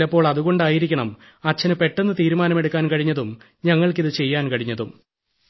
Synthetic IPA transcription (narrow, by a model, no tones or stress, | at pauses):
ɐpːo̞ːɭɐðuɣo̞ɳɖaːjiɾikʲːɐɳɐm | ɐt͡ɕːɐnɨpe̞ʈːenːɨt̪iːɾumaːnɐme̞ɽukːaːnkɐɻiɲːɐðum | ɲɐŋːɐɭkiðɨt͡ɕe̞jːaːnkɐɻiɲːɐðum